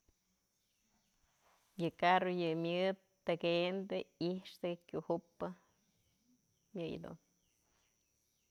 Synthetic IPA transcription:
jɨkarojɨmʲjɨd̪ | t̪ɨkend̪ɨiʂt̪ɨkkʲuhupːɨ | mʲjɨj̰d̪ṵn

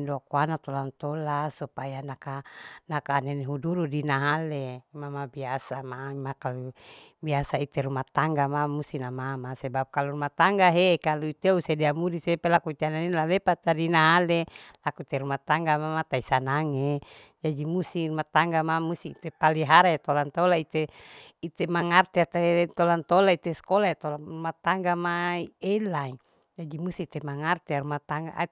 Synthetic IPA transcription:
ndoakuanat̪olant̪olasupajanakanakaːneneɦuduɾudinaɦalemamabiasamamakalubiasait̪eɾumat̪aŋɡamamust̪inamamasebap̚kaluɾumat̪aŋɡaɦekaluit̪eusedeamudisepelakuit̪eanenelalepat̪adinaɦalelakuit̪eɾumat̪aŋɡamamat̪aisanaŋe | d͡ʒadimusirumat̪aŋɡamamust̪iit̪epaliɦaɾajet̪olant̪olait̪e | it̪emaŋart̪eat̪at̪olant̪olait̪eskolaet̪olarumat̪aŋɡamaielai | d͡ʒadimust̪iːt̪emaŋart̪eaɾumat̪aŋɡa̰ʔ

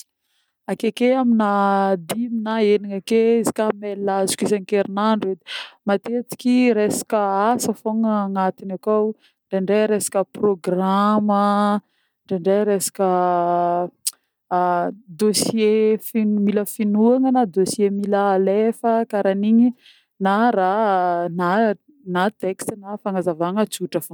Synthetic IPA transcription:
akekeaminad̪iminaeniŋakeizi̥kamelazu̥kʲisaŋkeɾinaɳɖ͡ʐed̪i̥mat̪et͡si̥kʲiɾesḁkəasəfoŋəːŋat̪inakaw | ɳɖ͡ʐeɳɖ͡ʐeɾesḁkəproɡramə | ɳɖ͡ʐeɳɖ͡ʐeɾesḁkə | d̪osjefinmiləfinuaŋənad̪osiemiləːlefəkaɾaniɲi | naɾana | nat̪ekst̪nafaŋazavaŋət͡suʈ͡ʂəfo

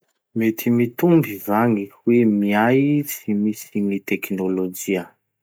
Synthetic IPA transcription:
met̪ʰimit̪umbivaŋiwemiajsimisiŋit̪ɛknolod͡ʒiə

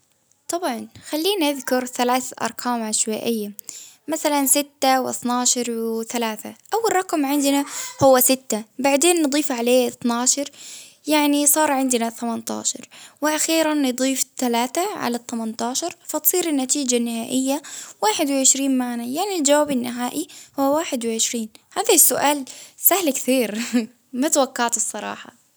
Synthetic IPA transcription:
t̪ˤɑbʕɑnxalːiːnʔaðkʊɾθalaːθʔɑ̰ɾˤkʰaːmʕaʃwaːʔɪjːamaθalansɪt̪ːawʔɑ̰θnaːʃɑɾˤwɪθalaːθa̰ʔawːalˤːɑqɑmʕɪnd̪nahʊwːasɪt̪ːabaʕd̪eːnːɨd̪ˤiːfʕaleːʔɨt̪naːʃɑɾˤ | jaʕnisˤɑːɾˤʕɪnd̪naθamant̪ɑ̰ːʃɑ̰ɾˤwɪʔaxiːɾanːɨd̪ˤiːft̪alaːt̪aʕa̰lat̪ˤːamant̪ɑːʃɑɾˤfat̪sˤiːɾɪnːat̪iːd͡ʒanːɪhaːʔɪjːawaːħɪd̪wɪʕɪʃɾiːnmaʕnajaʕnild͡ʒawaːbɪnːɪɦaːʔihuwːawaːħɪd̪wɪʕɪʃɾiːnhaːðasːʊʔaːlsahlkθiːɾ | mat̪awakːaʕt̪ɨsˤːɑɾˤɑ̰ːħɑ̰

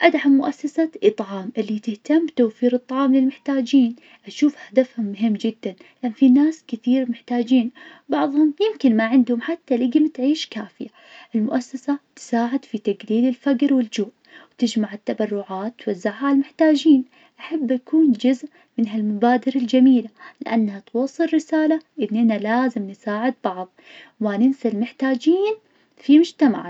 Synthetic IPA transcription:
ʔad̪ħammʊʔasːasaʔɨt̪ˤʕɑːmʔɪlːit̪ɪht̪amːbt̪owfiːɾɨt̪ˤːɑʕɑːmlɪlmɪħt̪aːd͡ʒiːn | ʔaʃuːfhad̪afhʊmːʊɦɪmːd͡ʒɪd̪ːanlɪʔanːfinaːskɪθiːɾmɪħt̪aːd͡ʒiːnbɑʕðˤhʊmjɪmkɪnmaʕɪnd̪hʊmħat̪ːalɪɡɪmt̪ʕiːʃkaːfɪja | ʔɪlmʊʔasːasat̪saːʕɪd̪fit̪aɡliːlɪlfaɡɾwɪld͡ʒuːʔ | wt̪ɪd͡ʒmaʕɪt̪ːabɑrˤːʊʕaːt̪ːwazːɪʕhalmɪħt̪aːd͡ʒiːn | ʔaħabːʔakuːnd͡ʒʊzʔ | mɪnɦalmabaːd̪ɪɾɪld͡ʒamiːlalɪʔa̰nːhat̪wɑːsˤːɨlɾɪsaːlaʔɪnːʔɪnalaːzɪmnɪsaːʕɪd̪̚bɑʕðˤmanɪnsalmɪħt̪aːd͡ʒiːn | fimʊd͡ʒt̪ama̰ʕ

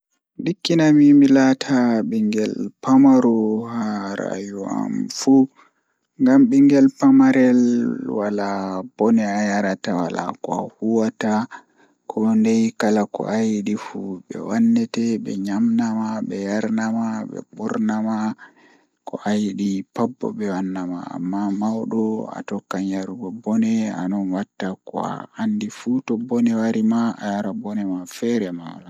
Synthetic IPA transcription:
dikːinamimilatʰaɓiŋɡɛlpamaɾɔhaɾa̰jua̰mfu | ŋɡamɓiŋɡɛlpamaɾɛlwalab̥ɔnɛajaɾatawa̰la̰kɔa̰huwata | kʰɔndɛjkalakɔ̰ʔajɗifuɓɛ̰wanːɛtɛɓɛ̰ɲamnamaɓɛjaɾnamaɓɛ̰ɓɔɾnama | kɔ̰ʔajiɗipabːɔ̰ɓɛwanːama̰a̰mːamawɗɔa̰tɔkːaɲjaɾuɡɔbɔnɛa̰nɔnwatːakɔ̰a̰andifutɔbɔnɛwaɾimaa̰jaɾabɔnɛmafɛɾɛmawa̰la

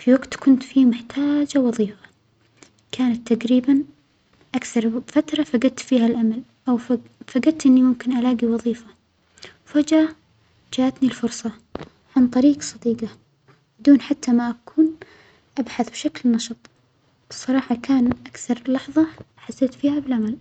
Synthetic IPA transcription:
fiwaɡt̪kʊnt̪fiːmʊħt̪ʰaːd͡ʒawɑðˤiːfa | kʰaːnat̪ːaɡɾiːban | ʔakθɑɾˤfat̪ɾˤɑfaɡad̪̚t̪fiːhalʔamal | ʔawffaɡad̪̚t̪ʔɪnːimʊmkɪnʔalaːɡiwɑðˤiːfa | fad͡ʒa | d͡ʒaʔat̪nilfʊɾsˤɑ | ʕant̪ˤɑɾiːɡsˤɑd̪iːɡa | bɪd̪uːnħat̪ːamaʔakʰuːn | ʔabħaθbʃaklnɑʃɨt̪ˤ | sˤːɑɾˤɑːħɑkaːnʔakθɑɾˤlɑħðˤɑ | ħasːeːt̪fiːhabɪlʔamal

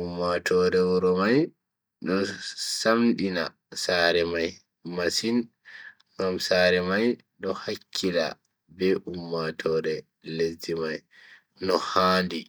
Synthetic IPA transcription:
umːatʰɔɾɛwuɾɔmaj | ɗɔsamɗina̰ | saːɾɛmaj | masin | ŋɡamsaɾɛmaj | ɗɔhakʰːila̰ | bɛʔumːatʰɔɾɛ | ledimaj | nɔhaːndi

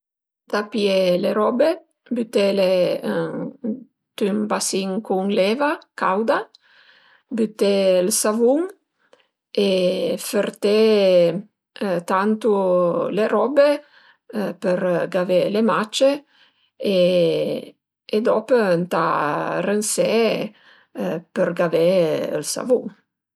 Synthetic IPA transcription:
d̪apjeleɾɔbe | byt̪ele | t̪ymbasiŋkuŋlɛvakawd̪a | byt̪ːelsavuŋ | efeɾt̪e | t̪ant̪uleɾɔbe | pəɾɡavelemat͡ʃe | e | d̪ɔpənt̪a̰rənse | pəɾɡaveə̰lsa̰vuŋ

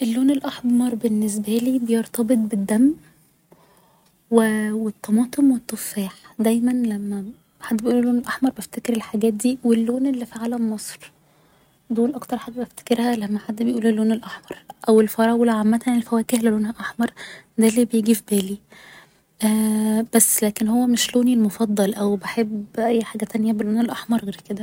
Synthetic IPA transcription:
ʔelːoːnelʔɑħbmɑɾˤbenːes̬bæliːbejeɾt̪ɑbet̪̚ˤbed̪ːæmː | wewet̪ˤːɑmɑːt̪ˤʰemwet̪ˤːofæːħd̪æjmænlæmːæ | ħad̪ːbejʔuːlelːoːnelʔɑħmɑɾˤbeft̪ekeɾelħaɡæːt̪̚d̪iːwelːoːnʔelːifiʕalæmmɑsˤɾ | d̪oːlʔɑkt̪ɑɾˤħaɡ̪æbæft̪e̥keɾhælæmːæħad̪ːbejʔuːlilːoːnelʔaħmɑɾˤʔæwelfɑɾˤɑwolʕamːæt̪æanilfæwæːkehlæloːnhæʔɑħmɑɾˤd̪ælːiːbejeɡifibæːli | ʔæb̥æsːlæːkenhowːæmeʃloːnilmofɑd̪ˤːɑlʔæwbeħebːʔæjːħaːɡæt̪ænjæbeloːnelʔɑħmɑɾˤɣeɾked̪æ

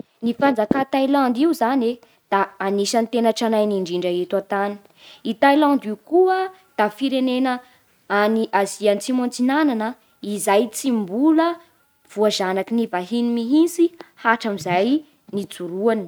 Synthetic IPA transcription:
nifand͡zakat̪ajlãnd̪iuzane | d̪̥aːniʃant̪enaʈ͡ʂanajniɳɖ͡ʐiɳɖ͡ʐaet̪uat̪ani̥ | it̪ajland̪iukuə | d̪̥afiɾenenə | aniʔaziant͡simõnt͡sinananə | izajt͡simbulə | v̥uazanakinivaɦinimiɦint͡sihaʈ͡ʂamizaj | nid͡zuɾuani̥

